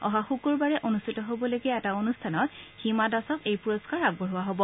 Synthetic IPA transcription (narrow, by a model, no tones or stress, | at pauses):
ɔ̰ɦaxukuɹbaɹɛʔonustʰitɔɦobɔlojɡɛːtaonustʰanɔtximadasɔkejpuɹoskaɹaɡ̚bɔɦʊwaɦobɔ